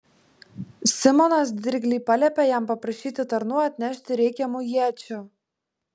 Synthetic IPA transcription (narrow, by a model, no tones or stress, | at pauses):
sʲɪmɔnɐsd̪ʲɪɾʲɡʲlʲiːpɐlʲɛpʲɛjæmpɐpɾɐʃʲiːt̪ʲɪt̪ɐɾnuːɐt̪ʲnʲæʃʲt̪ʲɪɾʲɛɪkʲɛmujiɛt͡ʃʲʊ